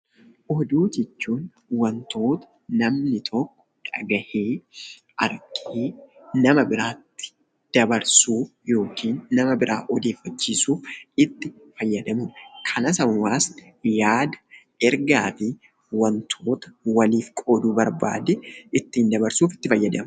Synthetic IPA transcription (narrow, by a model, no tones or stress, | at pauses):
ʔɔd̪uːd͡ʒɛt͡ʃːuːn | wɐnt̪o̞ːt̪ɐ̥ | nɐmnɪt̪ʰɔkːɔ̥ᶑɐ̰ɡɐheː | ɐɾkʼeː | nɐmɐbɪɾaːt̪ːɪ̥ | d̪̥ɐbɐɾsuːjo̞ːkiːnːɐmɐbɪɾʔaːʔɔd̪e̞ːfːɐt͡ʃːiːsuːfɪt̪ːɪ | fɐjːɐd̪ɐmʊmkʰɐnɐsɐwwaːs | jaːd̪ɐ | ɛɾɡaːfɪ | wɐnt̪ʰoːt̪ɐ̥wɐliːfkʼoːd̪uːbɐɾba̰ːd̪ɛʔɪt̪ːɪɪnd̪ɐbɐɾsuːfɪ̥t̪ːɪfɐjːɐd̪ɐm